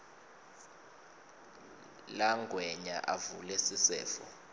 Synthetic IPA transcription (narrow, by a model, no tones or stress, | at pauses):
laŋɡʱwɛɲa̰ʔavulɛsisɛ̰ːfɔ̰